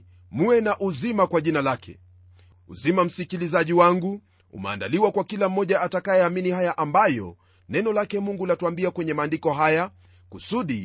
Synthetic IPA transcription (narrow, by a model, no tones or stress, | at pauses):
muɛnaʔuzimakwaʄinalakʰɛ̰ | ṵzimam̩sikilizaʄiwaŋɡu | ṵmɛ̰a̰nda̰liwakwakilam̩ːɔʄaatakajɛaːminihajaʔambajɔ̰ | nɛnɔlakɛmuŋɡulatuambiakwɛɲɛmaːndikɔɦaja | kusuɗi